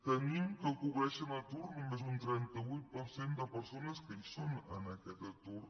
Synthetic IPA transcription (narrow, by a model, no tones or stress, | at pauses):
t̪ənimkəkuβɾɛʃənat̪uɾnumezunt̪ɾɛnt̪əβujt̪̚pəɾsend̪əpəɾsonəskəisonənəkɛt̪ət̪ur